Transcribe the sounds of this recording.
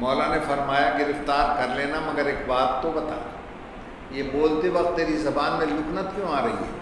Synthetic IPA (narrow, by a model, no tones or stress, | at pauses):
mɔːlanefɐɾmaːjaɡɪɾɪft̪aːɾkɐɾleːnamɐɡəɾeːkbaːt̪ːobɐt̪a̰ː | jeːboːlt̪eʋɐqt̪̚ːeːɾizɐbaːnmẽlʊknət̪kjõaːɾɐɦḭɦɛ̰ː